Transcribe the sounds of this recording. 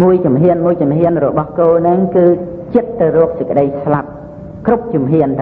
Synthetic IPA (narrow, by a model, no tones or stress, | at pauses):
muəjt͡ɕumɦiənmuəjt͡ɕumɦiənrɔɓɑhkoːlnɨŋkɨːt͡ɕət̪ːɨwrɔək̚səc̚kə̆ɗəjslap̚ | krup̚t͡ɕumɦiənt̪ʰa